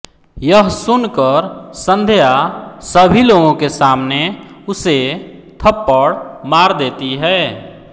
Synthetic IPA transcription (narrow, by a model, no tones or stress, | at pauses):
jəɦsʊnkəɾsə̃nd̪ʱəjasəbʱiloːɡõkesaːmneʊset̪ʰəpːəɽmaːɾd̪eːt̪iɦɛː